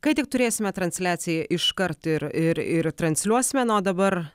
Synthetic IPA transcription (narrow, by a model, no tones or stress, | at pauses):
kɐɪt̪ʲɪk̚t̪ʊɾʲeːsʲɪmʲɛt̪ɾɐnʲsʲlʲæːt̪sʲɪjɛʔɪʃkɐɾt̪ɪɾɪɾɪɾt̪ɾɐnʲsʲlʲuɔsʲɪmʲɛnoːd̪ɐbɐɾ